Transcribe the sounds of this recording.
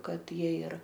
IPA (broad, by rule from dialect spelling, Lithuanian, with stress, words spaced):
ˈkɐt ˈjiɛ ɪr